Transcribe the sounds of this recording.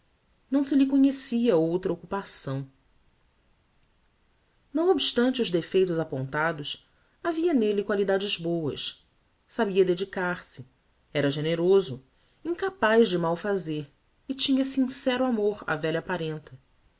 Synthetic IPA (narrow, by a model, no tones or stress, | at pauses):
nɐ̃w̃sɪlɪkoɲesiɐowt̪ɾɐokupasɐ̃w̃ | nɐ̃w̃obiʃt̪ɐ̃nt͡ʃɪʊzd̪efejt̪ʊzapõnt̪ad̪ʊs | aviɐnelɪkwalid̪ad͡ʒɪzbowɐ̰ʃ | sabiɐd̪ed͡ʒikaɾsɪ | ɛɾɐʒeneɾozʊ | ĩŋkapajʒd͡ʒɪmawfazeɾ | ɪt͡ʃĩɲɐsĩsɛɾuamoɾa̰vɛʎɐpaɾẽnt̪ɐ